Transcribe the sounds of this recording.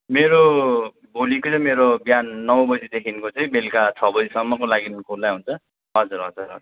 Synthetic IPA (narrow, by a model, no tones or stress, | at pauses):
meɾo | bʱolikot͡sʌĩmeɾobjanːʌwbʌd͡zid̪ekʰinkot͡sʌj̃belkat͡sʰʌbʌd͡zisʌmːʌkolaɡinkʰulːajɦunt͡sʰʌ | ɦʌd͡zuɾɦʌ̰d͡zurɦʌ̰d͡zr